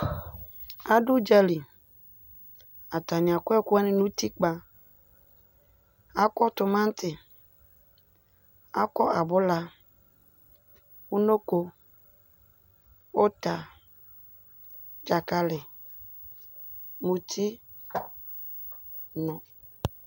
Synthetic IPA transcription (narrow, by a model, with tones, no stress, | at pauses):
a˦dʊ˦d͡ʒa˦li˨ | a˨ta˨ɲ˨a˨kʊ˦ɛ˦kʊ˦ɛ˦nɪ˦nũ˦ti˦k͡pa˨ | a˦kɔ˦tʊ˨mã˦n˦tɪ˨ | a˦kɔ˦ʔa˨bʊ˦la˨ | u˦no˦ko˦ | o˦ta˨ | d͡ʒa˨ka˦lɪ˨ | mũ˨tʰi˦ | nɔ̃˨